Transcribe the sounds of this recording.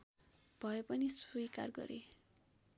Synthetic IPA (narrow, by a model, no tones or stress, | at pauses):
b̥ʱʌepʌnisujka̰rɡʌ̰ɾe